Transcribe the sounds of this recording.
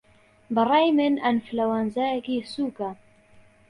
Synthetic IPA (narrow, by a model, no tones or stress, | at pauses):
bɨrˤɑjmenanflawanzajɛkisuːka